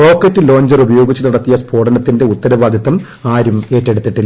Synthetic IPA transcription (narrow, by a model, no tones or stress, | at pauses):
o̞ːkːɐtːɨlo̞ːɲd͡ʑɐrubɐjo̞ːɡit͡ɕːunɐɽɐt̪ːijɐspʰo̞ːɖɐnɐt̪ːinde̞ut̪ːɐɾɐʋaːd̪ʱɐt̪ːɐm | aːɾume̞ːtːe̞ɽut̪ːiʈːi